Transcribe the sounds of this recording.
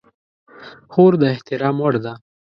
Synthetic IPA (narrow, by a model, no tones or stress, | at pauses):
xoɾd̪əɪht̪ɪɾɑːmwəɽd̪a